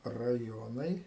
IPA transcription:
rɐˈjoːnɐɪ

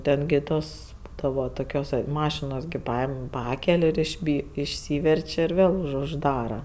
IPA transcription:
ˈtʲɛn ɡʲɪ ˈtoːs ˈbuːdɐʋoː ˈtoːkʲoːs ˈmɑːʃʲɪnoːs ɡʲɪ ˈpɐɪm ˈpɑːkʲɛlʲ ɪʒʲˈbʲiː ɪʃʲˈsʲiːʋʲɛrʲt͡ʃʲ ɪr ˈʋʲeːlˠ ʊʒˈdɑːrɐ

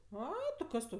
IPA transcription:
ˈɐɪ tʲɪ ˈkɐs tɐʊ

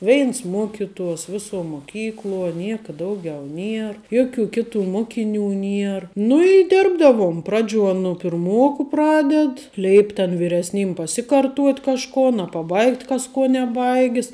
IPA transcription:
ˈʋʲɛɪns ˈmuɔkʲɪtuɔs ˈʋʲɪsuɔ muɔˈkʲiːklˠuɔ ˈnʲiɛkɐ ˈdɐʊɡʲɛʊ ˈnʲiɛr ˈjoːˌkʲuː ˈkʲɪˌtuː ˈmoːkʲɪˌnʲuː ˈnʲiɛr nʊ ɪ ˈdʲɪrbdɐʋuɔm ˈprɑːˌd͡ʒʲuɔ nʊ pʲɪrˈmuɔkʊ ˈprɑːdʲɛt ˈlʲɛɪpʲ tʲɛn ʋʲɪrʲɛsʲˈnʲiːm pɐˈsʲɪkɐrˌtuɔtʲ kɐʃˈkoːn ɐ pɐˈbɐɪktʲ ˈkɐs ˈkuɔ nʲɛˈbɐɪɡʲɪs

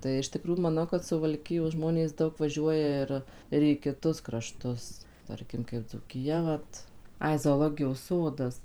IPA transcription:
tɐɪ ɪʃ tʲɪˈkruːjʊ mɐˈnɐʊ kɐt sʊʋɐlʲˈkʲɪjoːs ˈʒmoːnʲeːs ˈdɐʊk ʋɐˈʒʲuɔjɛ ɪr ɪr iː kʲɪˈtʊs krɐˈʃtʊs ˈtɐrʲkʲɪm kɐɪp d͡zuːkʲɪˈjɛ ˈʋɐt ˈɐɪ zoːˈlˠoːɡʲɪjoːs ˈsoːdɐs

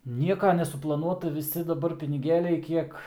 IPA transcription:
ˈnʲiɛkɐ nʲɛsʊplˠɐˈnuɔtɐ ʋʲɪˈsʲɪ dɐˈbɐr pʲɪnʲɪˈɡʲeːlʲɛɪ ˈkʲiɛk

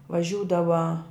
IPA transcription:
ʋɐˈʒʲuːdɐʋɐ

